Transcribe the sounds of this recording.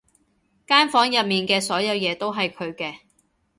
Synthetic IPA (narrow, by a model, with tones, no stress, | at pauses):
kaː˥nfɔː˨˥ŋjɐ˨p̚miː˨nkɛː˧sɔː˨˥jɐ˨˧wjɛː˨˧t̪o˥wɦɐ˨jkʰɵ˨˧ɥkɛː˧